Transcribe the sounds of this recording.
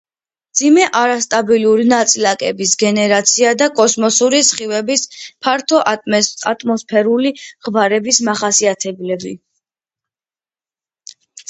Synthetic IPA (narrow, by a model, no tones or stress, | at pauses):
md̪zimɛʔaɾast̪ʼabiluɾinat̪sʼilakʼɛbisɡɛnɛɾat̪sʰiad̪akʼɔsmɔsuɾisχivɛbispʰaɾt̪ʰɔat̪ʼmɔspʰɛɾuliʁvaɾɛbismaχasiat̪ʰɛblɛbi